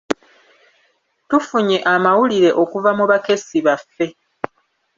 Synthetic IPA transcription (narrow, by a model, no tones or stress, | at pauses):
tufuɲe̞ʔamawuliɾe̞ʔo̞kuvamuβake̞siβafːe̞